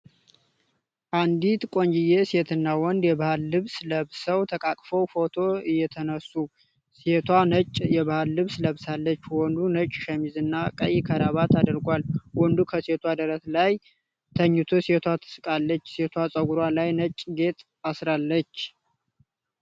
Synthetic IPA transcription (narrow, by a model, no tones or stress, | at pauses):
ʔand̪it̪kʼo̞ɲd͡ʒɪjeset̪ʰɨnːawɔnd̪jɛβahalːɨβsləβsəwt̪ʰəkʼakʼfəwfo̞t̪ʰo̞ɨjːɛt̪ʰənəsːu | set̪ʰwanət͡ʃʼjɛβahalːɨβsləβsalːət͡ʃːwɔnd̪unət͡ʃʼːʃəmizɨnːakʼə̰jkʰəd̪aβat̪ʰad̪əɾɡʷalwɔnd̪ukʰəset̪ʰwad̪əɾət̪laj | t̪ʰəɲːut̪ʰoset̪ʰwat̪ʰɨ̥sɨkʼalːət͡ʃːse̞t̪ʰwasʼəɡuɾalajnət͡ʃʼɡe̞t̪ʼ | asɾalːət͡ʃː